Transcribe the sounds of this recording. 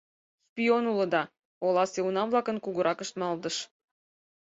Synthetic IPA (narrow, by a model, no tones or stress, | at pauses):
spʲionulə̆d̪ɑ | olɑseunɑmvlˠɑkənkuɣəɾʔɑkə̆ʃt̪mɑld̪əʃ